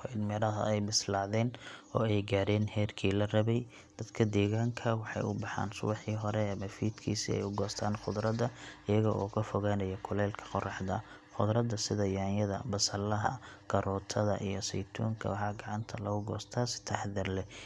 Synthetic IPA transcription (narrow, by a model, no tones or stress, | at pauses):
ɔɪnmɛɾɐɦɐ̰ɛjmɪslɑːðɛːnɔːɛjɡaːɾɛːnhɛːrkʰiːlɐrɐβɛj | d̪̥ɐd̪kʰɐd̪ɛːɣaːŋkʰɐwɑħɑ̰jʔʊbɑħa̰ːnsʊ̰wɑħiːɦɔɾɛːmɐfiːd̪kʰiːsiɛ̰jʊɡɔːst̪ʰaːnχʊðɾɐd̪ɐɪjɐɣɐʔɔːkʰɐfɔɣaːnɐjɐkʰʊlɛːlkʰɐ̥qɔrɑħd̪ɐ̰ | χʊðɾɐd̪ɐsɪðɐjaːnjɐðɐmbɐsɐlɐɦɐ̰ɡ̥ɐɾɔːt̪ʰɐðɐʔḭjɔsɛ̰jt̪ʰɔ̰ːŋkʰɐ̰wħɑːɡɑʕɑnt̪ʰɐlɐɣʊɡɔːst̪ʰaːsɪ̥t̪ʰɐħðɪrlɛ